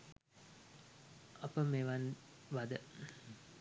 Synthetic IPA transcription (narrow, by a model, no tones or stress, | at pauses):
ɐpəmeʋanʋad̪ə